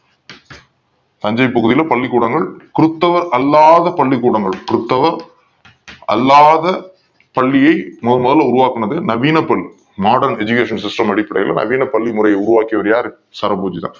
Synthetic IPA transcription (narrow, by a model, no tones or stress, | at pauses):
t̪ɐɲd͡ʒɐɪpɐɣɯðɪjɪlɐpɐɭːɪkːuːɽɐŋɡɐɭkʊɾɯt̪ːɐʋɐɾɐlːaːðɐpɐɭːɪkːuːɽɐŋɡɐɭkʊɾɯt̪ːɐʋɐɾ | ɐ̰lːaːðɐ | pɐɭːɪjɐɪmʊðɐlmɔðɐlɐʊɾʊʋaːkːɐɳɐðɯnɐʋiːnɐpːɐɭːi | maːɽɐɾnɛd͡ʒʊkeːʂɐnsɪsʈɐmɐɽɪpːɐɽɐ̰ɪjɪlʔɐ̰nɐ̰ʋiːnɐpːɐɭːimʊrɐjɐɪʊɾʊʋaːkːɪjɐʋɐɾjaːɾ | sɐɾɐpoːd͡ʒit̪ã̰ː